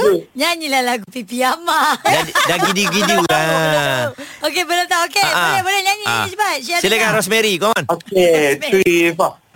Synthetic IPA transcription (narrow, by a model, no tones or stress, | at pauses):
ɲaɲilahlaɡupipiamadadaɡidiɡidiua | okebənat̪aokeabəabənaɲaɲisəbasiailekaɾɔs̬mɛɾikɔmɔnoketuifa